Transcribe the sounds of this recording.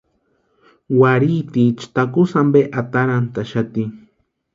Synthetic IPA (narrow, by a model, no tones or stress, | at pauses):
waɾit̪it͡ʃt̪akusambeʔat̪aɾant̪aʃat̪iŋ